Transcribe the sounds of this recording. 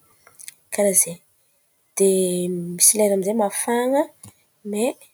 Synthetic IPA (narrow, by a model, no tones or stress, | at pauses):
kaɾaze | d̪̥emisileɾamizemafaŋə | me